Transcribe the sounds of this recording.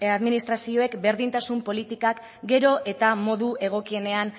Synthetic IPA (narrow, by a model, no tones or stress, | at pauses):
aðminist̪ɾasio̞e̞kbe̞ɾðint̪asumpo̞lit̪ikak | ɡe̞ɾo̞ʔe̞t̪amo̞ðuʔe̞ɣ̞o̞kie̞ne̞an